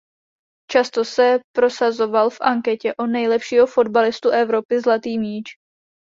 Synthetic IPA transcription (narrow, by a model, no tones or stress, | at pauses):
t͡ʃast̪o̞sɛpɾo̞sazo̞valfʔaŋkɛcɛʔonɛjlɛpʃiːɦo̞fo̞dbalɪst̪uʔɛvɾo̞pɪzlat̪iːmiːt͡ʃ